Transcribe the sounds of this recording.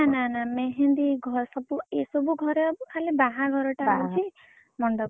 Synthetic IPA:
ananameɦend̪iɡʱɔɾsɔbuesɔbuɡʱɔɾɔkʰalibaɦaɡʱɔɾɔʈaɔt͡ʃʰi | mɔɳɖɔ

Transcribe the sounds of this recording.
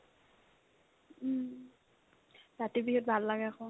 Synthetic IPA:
zatibixɔt̚bʱalːaɡɛaxɔ̃

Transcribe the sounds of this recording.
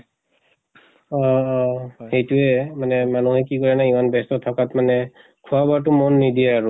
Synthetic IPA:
ɔ | hejtuɛmanɛmanuɦɛkikɔɹɛnaimanbɛstɔtʰakatmanɛ | kʰuabatʊmɔnːidiɛaɹu

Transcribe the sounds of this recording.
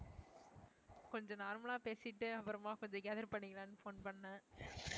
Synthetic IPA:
kɔɲd͡ʒɔ̃naːɾmɐlaːpeːsɪʈːɯɐpːɐɾɐmaːkɔɲd͡ʒɐ̃ɡɛːðɐɾpɐɳːɪŋɪlãːnːɯfoːnpɐɳːãː

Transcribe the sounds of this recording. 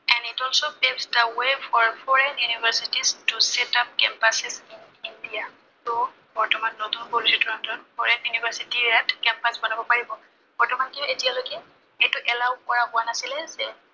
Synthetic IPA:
ɛ̃nitɔlsopebstawefɔɹfɔɹɛnjunivʱaɹsitistusɛtap̚kɛmpasɛzin | indija | tɔ | bɔɹtɔmanːotunpolusitʰɔɹantɔnfʰɔɹɛnjunibaɹsitiɹatkɛmpasbɔnabɔpaɹibɔ | b̥ɔɹtɔmankiʊetialoɡɛ | ejtʊʔɛlawkɔɹapʊanasilɛzɛ

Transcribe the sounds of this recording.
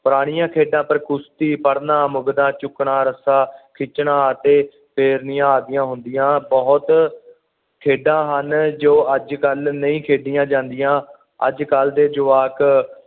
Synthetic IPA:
pʊɾaːɽ̃ɪjãːkʰeːɖãːpəɾkʊst̪iːpəɽnãːmʊɡd̪ãːt͡ʃʊkɳãːɾəsaːkʰɪt͡ʃɳãːt̪eː | pʰeːɾnɪjãːaːd̪ɪjãːɦʊnd̪ɪjãːbɔɦʊt̪ | kʰeːɖãːɦənd͡ʒoːəd͡ʒkəlnəĩːkʰeːɖɪjãːd͡ʒãːnd̪ɪjãː | ə̰d͡ʒkəld̪eːd͡ʒʊʋaːk

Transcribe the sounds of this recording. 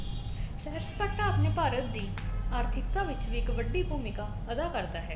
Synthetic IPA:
sɛːɾspəʈãːaːpneːpaːɾət̪̚d̪iːaːɾt̪ʰɪkt̪ãːʋɪt͡ʃʋiːɪkʋəɖiːbuːmɪkaː | əd̪aːkəɾd̪aːɦɛː

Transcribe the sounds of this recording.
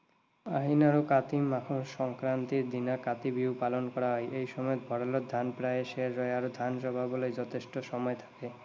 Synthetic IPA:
aɦinaɾokat̪imakʰoʃɔŋkɾant̪iɾd̪inakat̪ibiwpalonkɔɾaɦɔeʔejʃɔmɔebʱɔɽalod̪ʱanpɾaeʃeɾːɔeaɾod̪ʱanʃɔbʱabolejd͡ʑɔt̪ʰeʃʈoʃɔmɔet̪ʰḁke

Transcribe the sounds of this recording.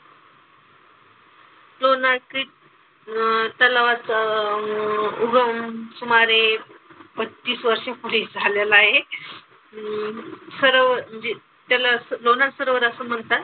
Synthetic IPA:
lonaki | t̪alaʋat͡s | uɡəmsumaɾe | pət̪t̪ːiːsʋəɾʂẽpoliːsd͡zʱaljalaːɦe | səɾəʋəɾd͡ʑe | t̪alasəlonasəɾəʋəɾəsəːm̤əɳt̪at̪

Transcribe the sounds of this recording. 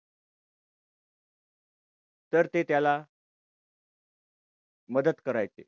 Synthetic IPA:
t̪əɾt̪et̪jala | məd̪ət̪kəɾajt͡sḛ

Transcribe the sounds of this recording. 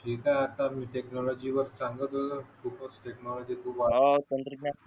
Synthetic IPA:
ʈʰiːkaat̪amiːʈeknɔlɔd͡ʑiʋəɾsaŋɡət̪əkukəsʈeknɔlɔd͡ʑikʰuːpaat̪ənt̪ɾik̚na

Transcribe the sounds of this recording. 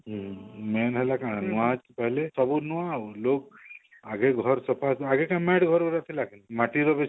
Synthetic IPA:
ɦmɛːnɦelakãnuad͡ʒpəɦlesəbunuãlok̚ | aɡeɡʱɔɾsəpʰasaɡekãmeʈɡʱɔɾbəɾat̪ʰilakinimaʈiɾɔbe

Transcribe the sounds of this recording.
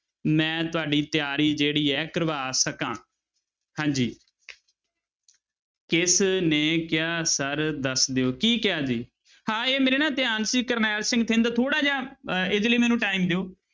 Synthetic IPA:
mɛ̃ːt̪ʊaːɖiːt̪ɪjaːɾiːd͡ʒeːɽiːɛːkɾəʋaːsəkãː | hãːɲd͡ʒiː | kɪsneːkɪjaːsəɾd̪əsd̪eoːkiːkɪaːd͡ʒiː | hãːeːmeːɾeːnãːt̪ɪjaːnsiːkəɾnaːɾsɪ̃ŋɡt̪ʰẽnd̪t̪ʰoːɽaːd͡ʒãːɪd̪ləiːmɛːnũːʈaːimd̪eoː

